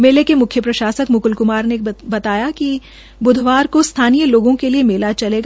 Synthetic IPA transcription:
meːlekemʊkʰjəpɾɐʃaːsəkmʊkʊlkʊmaːɾnebɐt̪aːjaki | bʊd̪ʱʋaːɾkost̪ʰaːnijəloːɡõkeliemɪlat͡ʃɐleːɡ

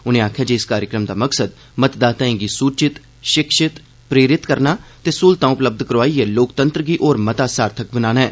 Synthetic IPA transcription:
ʊnẽːaːkʰjaːd͡ʒeːɪskaːɾjəkɾəmd̪aːməksəd̪ | mət̪d̪aːt̪aːĩɡiːsuːt͡ʃɪt̪ | ʃɪkʃɪt̪ | pɾeːɾɪt̪kəɾnaːt̪eːsuːlt̪ãːʊpləb̚d̪kəɾʋaːiːɛːloːkt̪ə̃nt̪ɾəɡiːʔoːɾmət̪aːsaːɾt̪ʰək̚bənaːnaːɛ̰ː

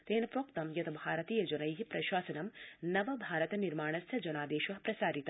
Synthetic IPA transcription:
t̪eːnɐpɾoːkt̪ɐmjɐt̪ɐbʱaːɾɐt̪iːjɐd͡ʒɐnɐjɦipɾɐʃwaːsɐnɐmnɐʋɐbʱaːɾɐt̪ɐniɾmaːɳ̃ɐsjɐd͡ʒɐnaːd̪eːʃʋɐɦpɾɐsaːɾit̪ɐ

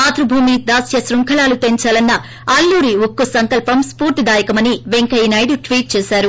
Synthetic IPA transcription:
aːt̪ɾɐbʱuːmid̪aːsjɐsɾuŋkʰɐlaːlut̪e̞ɲt͡ʃaːlɐnːɐ | ɐlːuːɾiukːusɐŋkɐlpɐmspuːɾt̪id̪aːjɐkɐmɐniʋeŋkɐjnɐjɖuʈʋiːʈ̚t͡ʃɛːsaːɾu

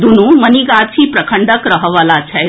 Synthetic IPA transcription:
d̪unuməniɡat̪t͡ɕiːpɾəkʰəɳɖəkɾəɦəʋalat͡ɕʰa

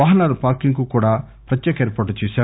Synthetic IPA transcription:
ʋaːɦɐnaːɾupaːɾkiŋkukuːɽaː | pɾɐt̪ːjɛːkɐeːɾpaːʈːut͡ʃeːsaː

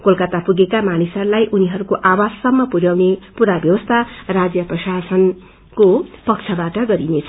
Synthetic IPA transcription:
kolkʌt̪apuɡekamanisʌɾulajʔuniɦʌɾukoʔawad͡zsʌmːʌpuɾjawnepuɾabjʌwʌst̪ʰarad͡zjʌprʌsasʌn | kopʌk̚t͡sʰʌbaʈʌɡʌɾinet͡sʰʌ

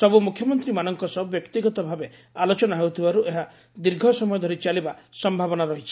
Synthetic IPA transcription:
sɔbumukʰjɔmɔnt̪ɾimanɔŋkɔsɔbɔbjɔkt̪iɡɔt̪ɔbʱabe | alot͡ʃɔnaɦewt̪ʰibaɾuʔeɦa | d̪iɾɡʱɔsɔmɔjɔd̪ʱɔɾit͡ʃalibasɔmbʱabɔnaɾɔɦit͡ʃʰi̥

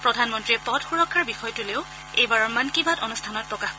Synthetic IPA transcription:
pɹɔdʱanmɔntɹiɛpɔtxuɹɔkʰːaɹbixɔjtʊleʊ | ejbaɹɔɹmankibʱatɔnustʰanɔt̚pɹɔkaxkɔ

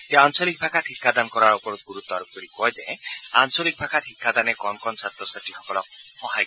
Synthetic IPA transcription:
t̪eansɔlik̚bʱakʰaʈʰikʰːad̪ankɔɾaɾɔpɔɾɔɡuɾut̪ːɔaɾup̚kɔɾikɔɦed͡ʒeẽansolik̚bʱakʰaʈʰikʰːad̪anekɔnkɔnsat̪ɔsaʈisɔkɔlɔ | hɔɦaj

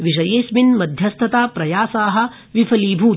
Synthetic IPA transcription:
ʋiʃɐjeːsminmɐd̪ʱjɐst̪ʰɐt̪aːpɾɐjaːsaːɦɐ̆ | ʋipʰɐliːbʱuː

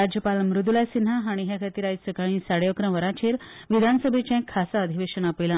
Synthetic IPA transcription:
ad͡ʑjəpalmɾud̪ulajsinɦaɦaɽ̃iɦjakʰət̪iɾajsəkaĩsaɽjokɾə̃ʋəɾat͡ɕʰeɾʋid̪ʱanəsəbʱet͡ɕãkʰːasaəd̪ʱiʋeɕənapilã

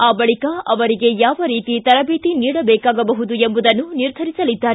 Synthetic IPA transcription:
aːbɐɭikɐɐʋɐɾiɡe̞jaːʋɐɾiːt̪it̪ɐɾɐbiːt̪iniːɽɐbɛːkaːɡɐbɐɦud̪uembud̪ɐnːuniɾd̪ʱɐɾisɐlid̪ːaːɾe

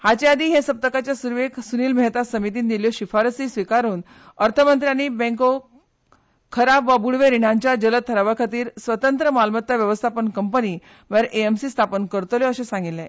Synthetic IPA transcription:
hat͡ɕead̪ʱiːɦesəp̚t̪əkat͡ɕjasuɾʋeksuniːlmɛɦt̪asəmit̪̬iːnd̪iljɔɕifaɾsiːsʋikaɾuːn | əɾt̪ʰəmənt̪ɾjañibẽŋko | kʰəɾapʋabuɽʋeɾiɽ̃ãɲt͡ɕjad͡ʑələt̪ʰːəɾaʋakʰat̪iːɾsʋət̪ənt̪ɾəmalmət̪ːjaʋjəʋəst̪ʰapənkəmpəniː | ʋəɾʔeemsiːst̪ʰapənkəɾt̪oleəɕẽsãŋɡilːẽ

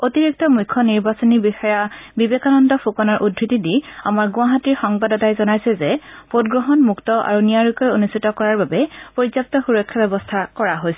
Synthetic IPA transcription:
otiɹik̚tɔmujkʰːɔniɹbasɔnibixɔjabibekanɔndɔpʰukɔnaɹʔudʱɹitidia̰maɹɡʊ̃aɦatiɹxɔŋbadɔtajzɔnajsɛzɛpotɡɹɔɦɔnmuktɔʔa̰ɹunijaɹukɔjonustʰitɔkɔɹaɹbabɛpoɹizap̚tɔxuɹɔkʰːjabɛbɔstʰakɔɹaɦojsɛ

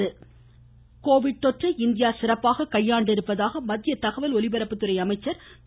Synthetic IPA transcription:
ɯ | koːʋɪɽ̚t̪ɔʈrɐɪnd̪ɪjaːsɪrɐpːaːɣɐkɐjːaːɳɖɪɾɯpːɐðaːɣɐmɐðɪjɐt̪ɐɣɐʋɐlɔɭɪbɐɾɐpːɯt̪ːɯɾɐɪɐmɐɪt͡ʃːɐɾ

